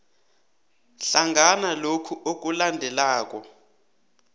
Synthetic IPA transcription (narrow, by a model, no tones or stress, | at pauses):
ɬaŋɡʱanalokʰuʔok̬ʼulandʱɛlaːk̬ʼɔ